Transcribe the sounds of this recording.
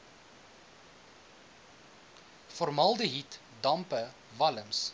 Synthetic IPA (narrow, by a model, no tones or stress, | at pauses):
fɔɾrmɐlˠdəɦit | dɐmpə | vɐləms